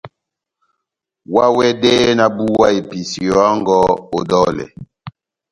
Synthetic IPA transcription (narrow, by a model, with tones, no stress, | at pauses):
wa˦wɛ˦de˦na˦bu˦wa˦i˨pi˨si˨a˦ŋɡɔ˦o˨dɔ˦lɛ̰˨